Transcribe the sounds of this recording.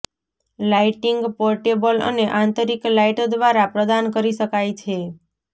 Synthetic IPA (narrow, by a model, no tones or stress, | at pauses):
laiʈiŋɡpɔɾʈebələ̰neʔãnt̪əɾiklaiʈod̪ʋaɾapɾəd̪ankəɾiʃəkajt͡ʃʰe